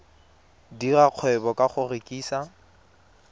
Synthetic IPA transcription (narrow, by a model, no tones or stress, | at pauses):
diraq͡χʰwɛbɔkʼaχʊrekʼiːsa